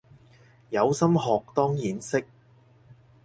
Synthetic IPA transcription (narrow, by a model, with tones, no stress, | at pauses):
jɐ˨˧wsɐ˥mɦɔː˨k̚t̪ɔː˥ŋjiː˨˥nsɪ˥k̚